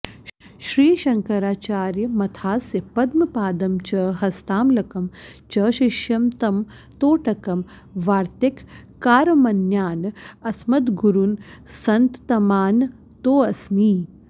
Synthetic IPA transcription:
ʃɾiːʃɐŋkɐɾaːt͡ʃaːɾjɐmɐt̪ʰaːsjɐpɐd̪mɐpaːd̪ɐmt͡ʃɐːɦɐst̪aːmlɐkɐmt͡ʃɐːʃiʃjɐmt̪ɐm | t̪oːʈɐkɐm | ʋaːɾt̪ekː | aːɾmɐnjaːnɐsmɐt̪ɡuɾunsɐnt̪t̪ɐmaːn | t̪oːɐsmiː

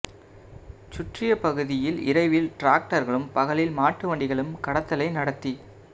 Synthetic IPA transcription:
t͡ʃʊʈrɪjɐpɐɣɯðɪjɪlɪ̰ɾɐɪʋɪlʈɾaːk̚ʈɐɾɣɐɭɯmpɐɣɐɭɪlmaːʈːɯʋɐɳɖɪɣɐɭɯmkɐɽɐt̪ːɐlɐɪnɐɽɐt̪ːi

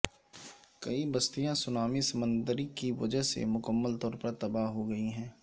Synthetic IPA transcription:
kɐibɐst̪ijãsʊnaːmisɐmə̃nd̪əɾikiʋɐ̰d͡ʒəɦsḛmʊkəmːəlt̪ɔːɾpɐɾt̪ɐbaːɦɦoɡɐiɦɛ̃ː

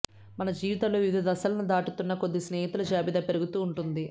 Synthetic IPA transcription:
mɐnɐd͡ʒiːʋit̪ɐloːʋiʋid̪ɐd̪ɐsɐlɐnud̪aːʈut̪unːɐkod̪ːisneɛːɦit̪ulɐd͡ʒaːbid̪ɐpeɾuɡut̪uːɳʈund̪i

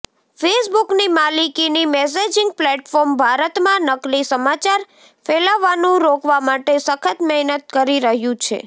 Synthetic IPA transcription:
fesbuknimalikinimɛs̬ed͡ʒɪŋɡ̚plɛʈfɔɾmbʱaɾət̪mãnəklisəmat͡ʃaɾ | felaʋanũɾokʋamaʈesəkʰət̪mɛɦnət̪̚kəɾiɾəɦjũt͡ʃʰḛ

